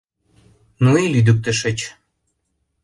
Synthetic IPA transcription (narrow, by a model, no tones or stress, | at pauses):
nuilyd̪yk̚t̪ə̆ʃə̆t͡ɕ